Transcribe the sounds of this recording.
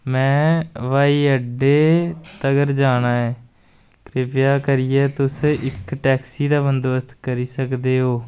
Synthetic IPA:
mɛ̃ːʋaːiːəɖeːt̪əɡəɾd͡ʒaːnaːɛː | kɾɪpjaːkəɾɪjɛːt̪ʊsɪkʈɛːksiːd̪aːʋənd̪oəst̪kəɾiːsəkd̪eːɦoː

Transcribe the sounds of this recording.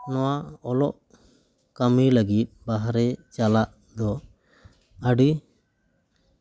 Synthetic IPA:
nɔwaɔlɔʔ | kamiləɡit̪̚ˀbaɦaɾɛt͡ʃalaʔ | d̪ɔ | əɖi

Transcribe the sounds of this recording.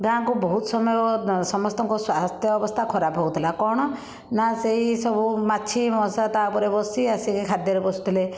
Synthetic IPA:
ɡããŋkubɔɦut̪sɔmɔjɔsɔmɔst̪ɔŋkɔswast̪ʰjɔɔbɔst̪ʰakʰɔɾapɦɔut̪ʰilakɔɽ̃ɔ | naseɦisɔbumaːt͡ʃʰimɔsat̪aupɔɾebɔsiasikikʰad̪jɔɾebɔsu̥t̪ʰile

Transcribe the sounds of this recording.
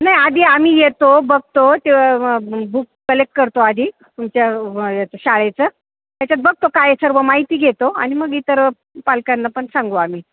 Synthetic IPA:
najad̪ʱiːamiːjet̪obəɡ̚t̪ot̪eʋabukːəlek̚ʈ̚kəɾt̪oad̪ʱiː | t̪umt͡ɕjajet̪oɕaɭejt͡səː | t̪jat͡ɕjat͡s̪̚bəɡ̚t̪okajesəɾʋəmaɦit̪iːɡʱet̪oa̰ɽ̃iməɡiːt̪əɾ | palkanːapəɳsãŋɡoam̤iː

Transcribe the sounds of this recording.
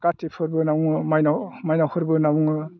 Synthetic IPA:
katːepʰɯɾbɯnawuŋɯmajnamajnawhʰɯɾbɯnawuŋɯ

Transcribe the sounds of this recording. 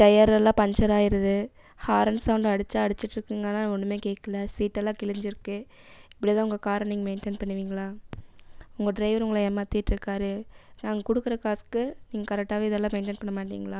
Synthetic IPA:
ʈɐjɐɾɛlːãːpɐɲd͡ʒɐɾaːjɪɾɐðɯ | haːɾɐnsɐʋʊɳɖɐɽɯt͡ʃːaːɐɽɯt͡ʃːɪʈːɾɯkːɯŋɡɐnaːɔnːɯmeːkeːkːɐlɐsiːʈːɛlːãːkɪɭɪɲd͡ʒɪɾɯkːɯ | ɪpːɐɽijt̪ãːʊŋɡɐkaːɾɐniːŋɐmeɪnʈenpɐɳːɯʋiːŋɡɐɭaː | ʊŋɡɐɖɾɐɪʋɐɾʊŋɡɐɭɐɛmːɐːt̪ːɪɪʈːɾɯkːaːɾɯnaːŋɡɐkʊɽɯkːɯɾɐkaːskɯniːŋɡɐkɐɾɛk̚ʈːaːʋiːðɛlːãːmeɪnʈeːnpɐɳːɐmaːʈːḭːŋɡɐlaː

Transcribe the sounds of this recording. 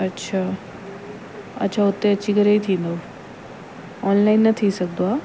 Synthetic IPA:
ɐtːɕʰa | ɐ̰tːɕʰaʊt̪ːeɐtːt͡ɕikəɾeit̪ʰĩːnd̪o | ɔnlainːət̪ʰisɐɡ̚d̪oaː

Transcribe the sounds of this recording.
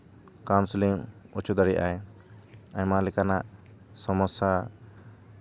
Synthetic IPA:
kawnsliŋut͡ʃud̪aɽɛjʔa̰j | aɲmalɛkanaʔ | sɔmɔsa

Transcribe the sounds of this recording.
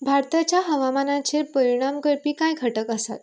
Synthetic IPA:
bʱaɾt̪at͡ɕjaɦəʋamanãt͡ɕepəɾiɽ̃amkəɾpiːkãjkʰəʈəkəsa̰t̪

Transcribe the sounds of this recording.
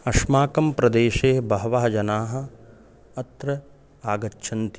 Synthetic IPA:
ɐʃmaːkɐmpɾɐd̪eːʃeːbɐɦɐʋaːɦɐd͡ʒɐnaːɦɐ̆ | ɐt̪ɾɐ | aːɡɐt͡ʃːʃʰɐnt̪i

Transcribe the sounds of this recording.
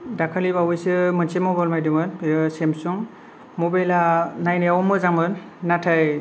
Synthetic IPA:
dakʰalibawɯjsɯmɯnsemɔɡɔlmajdɯmɯnsɛmsɔŋ | mɔbajlanajnɛaɔmɯzamɯnː | atʰaj

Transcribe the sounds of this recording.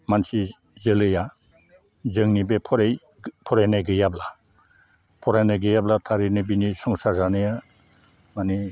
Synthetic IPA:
mansi | zɯlɯja | zɯŋnibepʰɔɾj | pʰɔɾajnajɡɯjabla | pʰɔɾajnajɡɯjablatʰaɾinɯbinisɔŋsazanɯja | mani

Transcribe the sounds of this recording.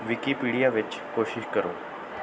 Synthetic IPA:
ʋikipiɽijaʋet͡ɕkoɕiɕkəɾo

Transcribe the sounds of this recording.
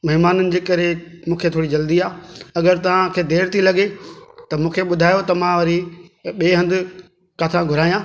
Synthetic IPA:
mɐɦɪmaːnənɪ̆d͡ʑeːkɐɾe | mũːkʰet̪ʰoːɽid͡ʑɐld̪iaːɐɡəɾt̪ɐʋ̤ãkʰeːd̪eːɾt̪ʰilɐɡet̪ɐmũːkʰeɓʊd̪ʱaːjot̪ɐmãʋɐɾiɓeːɦɐ̃nd̪ɪ̆ | kaːt̪ʰãɡʱʊɾaːjãː

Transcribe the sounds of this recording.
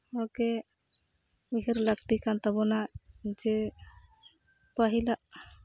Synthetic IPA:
ɔkɛ | miɦəɾləkt̪ikant̪abɔnad͡ʒɛ | paɦilaʔ

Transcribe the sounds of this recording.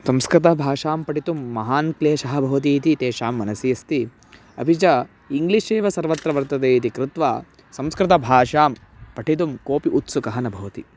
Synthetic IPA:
sɐmskɾɪt̪ɐbʱaːʂaːmpɐʈit̪umːɐɦaːnkleːʃɐɦɐbʱɐʋɐt̪̬it̪it̪eːʃaːmːɐnɐsijɐst̪i | ɐ̰bʱit͡ʃɐ | iŋɡliʃeːʋɐsɐɾʋɐt̪ɾɐʋɐɾt̪ɐt̪eːit̪ikɾɪt̪ʋa̰ː | sɐmskɾɪt̪ɐbʱaːʂaːm | pɐʈʰit̪̬umkoːpiʔut̪sukɐɦɐnɐbʱɐʋɐt̪ḭ

